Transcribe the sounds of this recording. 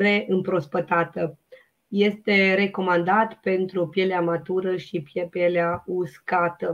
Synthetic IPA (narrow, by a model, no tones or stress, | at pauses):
ɾe̞ʔɨmpɾo̞spət̪at̪ə | je̞st̪e̞ɾe̞ko̞mand̪at̪pe̞nt̪ɾupje̞leamat̪uɾəʃipjepjeleauskat̪ə